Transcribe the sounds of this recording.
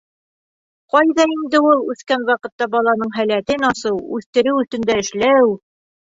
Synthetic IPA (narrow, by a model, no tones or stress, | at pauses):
qɒjðɑind̪ɘulˠʉθkænwɑqɤ̆t̪ːɑbɑlˠɑnɤɴɦælæt̪ɘnɑsɤwʉθt̪ɘ̆ɾɘwɵ̆θt̪ɘ̆nd̪æɘ̆ʃlæw